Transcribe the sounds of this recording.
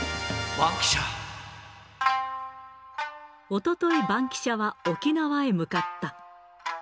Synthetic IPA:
bãŋkʲi̥ɕa | o̞t̪o̞t̪o̞ibãŋkʲi̥ɕaβaokʲinaβae̞mɯ̟kat̪ːa

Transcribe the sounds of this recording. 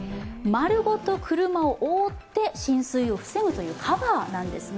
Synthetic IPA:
maɾɯ̟ɡo̞t̪o̞kʰɯ̟ɾɯ̟mao̞ʔoːt̪ːe̞ɕĩɰ̃sɨio̞ɸɯ̟̥se̞mɯ̟t̪o̞jɯ̟ːkʰaβaːnãnd̪e̞sɨn

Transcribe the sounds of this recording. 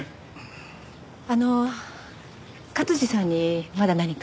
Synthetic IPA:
ano | kat̪oʑisãɲ̟ːimad̪anaɲ̟ik

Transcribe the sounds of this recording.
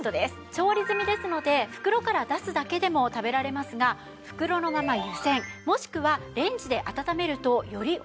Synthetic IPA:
t̪od̪esɨ̥t͡ɕo̞ːɾʲizɨmʲid̪e̞sɨno̞d̪e̞ɸɯ̟̥kɯ̟ɾo̞kaɾad̪asɨd̪ake̞d̪e̞mo̞t̪abe̞ɾaɾe̞masɨɡa | ɸɯ̟̥kɯ̟ɾo̞no̞mamajɯsẽ̞ŋmo̞ɕi̥kɯ̟βaɾẽ̞ɲ̟d͡ʑid̪e̞ʔat̪at̪ame̞ɾɯ̟t̪o̞jo̞ɾʲi

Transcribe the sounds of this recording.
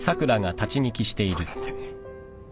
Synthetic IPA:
sakɯ̟ɾaŋat̪at͡ɕiɲ̟ʲikʲiɕi̥t̪e̞iɾɯ̟

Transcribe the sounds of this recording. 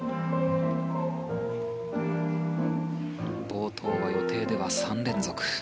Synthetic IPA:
b̥o̞ːt̪ʰo̞ːβajo̞t̪e̞ːd̪e̞βasãnɾẽ̞nd͡zo̞kɯ̟̥

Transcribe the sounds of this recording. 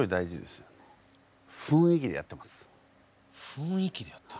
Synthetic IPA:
oid̪aiʑid̪e̞̰sɨ | ɸɯ̃ɰ̃ekʲid̪e̞jat̪ːe̞masɨ̥ | ɸɯ̃ekʲid̪ejat̪ʰːe

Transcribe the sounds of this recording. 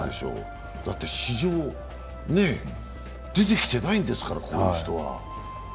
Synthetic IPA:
d̪e̞ɕo̞̰ː | d̪̥at̪ːe̞ɕiʑo̞ː | ne̞ | d̪e̞t̪e̞kʲi̥t̪e̞naĩnd̪e̞sɨ̥kaɾakʰo̞ːjɯːç̥t̪o̞βa̰

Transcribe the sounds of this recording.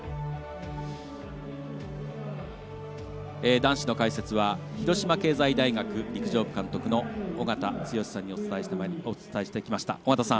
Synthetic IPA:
e̞ːd̪ãɰ̃ɕino̞kaise̞t͡sɨβa | çid̪o̞ɕimake̞ːzaid̪aiŋakɯ̟ɾʲikɯ̟ʑo̞ːbɯ̟kãnt̪o̞kɯ̟no̞ːɡat̪at͡sɨjo̞ɕi̥sãɲ̟ːiot͡sɨ̥aot͡sɨ̥t̪aeɕi̥t̪e̞kʲimaɕi̥t̪a̰oɡat̪asã

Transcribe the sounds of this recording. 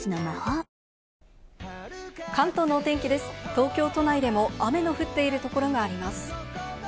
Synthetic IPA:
inamaha | kãnt̪o̞ːnːot̪e̞ŋkʲid̪e̞sɨ̥t̪o̞ːkʲo̞ːt̪o̞naid̪e̞mo̞ame̞no̞ɸɯ̟t̪ːe̞iɾɯ̟t̪o̞ko̞ɾo̞ɡaːɾʲimasɨ̥

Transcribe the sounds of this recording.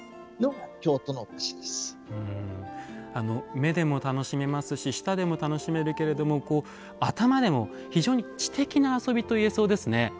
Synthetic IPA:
noakʲo̞ːt̪o̞nokḁɕi̥d̪esɨ̥ | ɯ̃ | ano̞me̞d̪e̞mo̞t̪ano̞ɕime̞masɨɕiɕi̥t̪ad̪e̞mo̞t̪ano̞ɕime̞ɾɯ̟ke̞ɾe̞d̪o̞mo̞ko̞ː | at̪amad̪e̞mo̞ | çiʑo̞ːɲ̟it͡ɕi̥t̪e̞kʲinaːso̞bʲit̪o̞ie̞so̞ːd̪e̞sɨne̞

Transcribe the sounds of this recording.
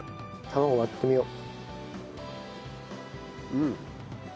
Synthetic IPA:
t̪ʰamaoβat̪ːe̞mʲioː | ɯ̟̃ɴ

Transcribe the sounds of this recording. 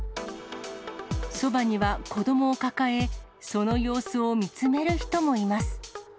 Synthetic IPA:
so̞baɲ̟iβako̞d̪o̞mo̞ːkakae̞ | so̞no̞jo̞ːsɨomʲit͡sɨme̞ɾɯ̟çi̥t̪o̞mo̞imasɨ̥

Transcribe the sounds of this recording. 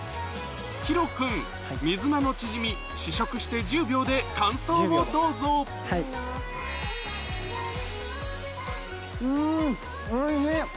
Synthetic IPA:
kʲiɾo̞kɯ̟̃ŋ | mʲizɨnano̞t͡ɕiʑimʲi | ɕiɕo̞kɯ̟ɕi̥t̪e̞d͡ʑɨːbʲo̞ːd̪e̞kãɰ̃so̞ːmod̪oːzoː | ɯ | ɯ

